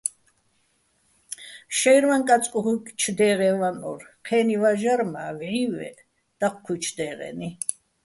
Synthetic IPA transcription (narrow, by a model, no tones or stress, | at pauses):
ʃɛjɾmaŋkʼat͡sʼkʼuɦukʼt͡ʃʰd̪ɛːʁɛvanɔ̰ɾqʰɛːnivaʒaɾmavʕivɛ̰ | d̪̥aqkʰːit͡ʃʰd̪ɛːʁɛ̰ni